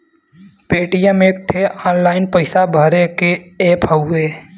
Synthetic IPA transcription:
peːʈijəmeːk̚ʈʰeɔːnlaːɪnpəɪsabʱəɾekeeːpɦəʊeː

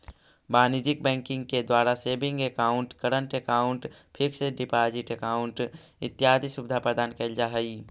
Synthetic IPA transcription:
baːnid͡ʒɪk̚bɛ̃ːŋkɪ̃ŋɡ̚ked̪waːɾaseːbɪ̃ŋɡekaːʊ̃ɳʈkəɾəɳʈekaːʊ̃ɳʈpʰɪkseɖɪpaːd͡ʒɪʈekaːʊ̃ɳʈ | ɪ̰t̪ːjaːd̪ʱisʊbɪd̪ʱapɾəd̪aːnkeld͡ʒaɦəi

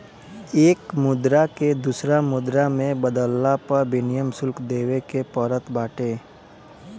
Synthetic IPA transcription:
eːkmʊd̪ɾaked̪usɾamʊd̪ɾamẽbəd̪əlːapɐɾbɪnɪjəmsʊlkd̪eːwekepɔːɾət̪ʰbaːʈeː

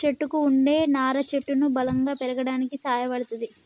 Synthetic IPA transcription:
eʈːukuːɳɖe̞ːnaːɾɐt͡ʃeʈːunubɐlɐŋɡaːpɛɾɐɡɐɽaːnikisaːjɐʋɐɽɐt̪ɐd̪i

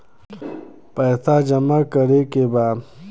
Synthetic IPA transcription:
paːsad͡ʑɐmakəɾekeba

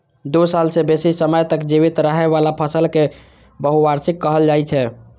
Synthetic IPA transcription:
d̪usalsebesisəməjt̪əkd͡ʒiβit̪ɾəɦɛβalapʰəsəlke | bəɦuʋaɾsikːəɦəld͡ʒajt͡ʃʰɛ

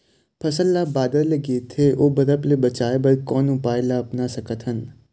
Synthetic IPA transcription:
pʰɐsəlːabaːd̪əɾleɡeːt̪ʰːeʔoːbɐɾəplebɐt͡ʃaːebɐlkɔːnʊpaːɪlaɐpnasɐkət̪ɦən

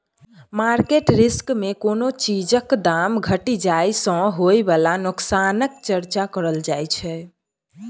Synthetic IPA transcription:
maɾkeʈɾiskmekonot͡ʃid͡ʒəkd̪amɡʱəʈid͡ʒajsə̃ɦojbalanuksanək̚t͡ʃəɾt͡ʃakəɾəld͡ʒajt͡ʃʰɛ

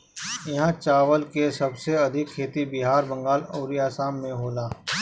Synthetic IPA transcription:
jɐɦãt͡ʃaːwəlkesɐbseɐd̪ʱɪkʰːeːt̪ibɪɦaːɾbɐ̃ŋɡaːloːɾiaːsaːmːẽɦoːlaː

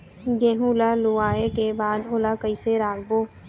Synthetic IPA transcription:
ɡẽːɦulaluaːekebaːd̪oːlakəiseɾaːɡboː

